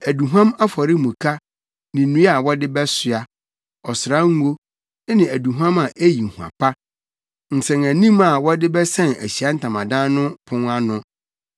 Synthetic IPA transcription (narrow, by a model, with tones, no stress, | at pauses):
æ˨du˨ɦuã˦ma˦fɔ˨ɾɪ˦mũ˨kʰa˦ | nɪ̃˨nũ˦a˨wɔ˦dɪ˦bɛ˦sɪ˨a˨ | ɔ˨sɪ˨ɾa˦ŋ̩˦o˦ | nɪ̃˨æ˨du˨ɦu˦ã˦ma˨ʔæ˦ji˨hũ˨a̰˨pa˦ | n̩˨sɛ̃˨ŋæ˨nĩ˦ma˨wɔ˦dɪ˦bɛ˦sɛ̃˦næ̰˨ɕi˨a˦n̩˦tʰã˨mã˨dã˦nʊ̃˦pʰʊ̃˦ŋa˦nʊ̃˦